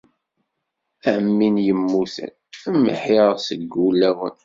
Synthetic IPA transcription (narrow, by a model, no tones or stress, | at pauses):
æmːinjəmːuθə̰n | əmːə̰ħiʁsəɡːulːæwə̰n